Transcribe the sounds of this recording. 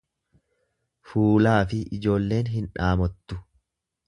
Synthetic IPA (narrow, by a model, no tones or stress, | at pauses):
fuːlaːfɪʔɪd͡ʒo̞ːlːe̞ːnɦɪnᶑaːmɔt̪ːʊ